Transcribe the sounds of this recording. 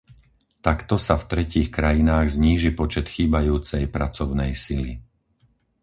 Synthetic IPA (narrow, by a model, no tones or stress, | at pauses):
t̪akt̪ɔsaft̪ɾɛciːxkɾajinaːɣzɲiːʒipɔt͡ʃɛt̪xiːbajuːt͡sɛjpɾat͡sɔʊnɛjsilḭ